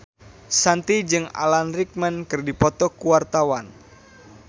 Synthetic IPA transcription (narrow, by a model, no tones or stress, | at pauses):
sant̪id͡ʒɨŋa̰lanrik̚mənkɨrdipɔt̪ɔkuwart̪awan